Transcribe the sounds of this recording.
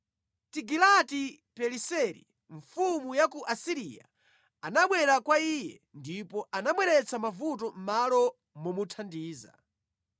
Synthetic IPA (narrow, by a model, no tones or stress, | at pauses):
tiɡilati | pɛlisɛɾḭ | ɱfumujakuʔasiɾija̰ | anaɓwɛɾakwaijɛ | ndipɔanamwɛɾɛt͡sʰamavut̬ɔm̩malɔ | mumutʰandiːza̰